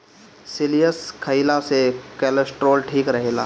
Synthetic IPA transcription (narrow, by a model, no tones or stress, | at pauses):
sɪlijəskʰəilasekɛːləsʈɾoːlʈʰiːkɾɐɦeːla̰ː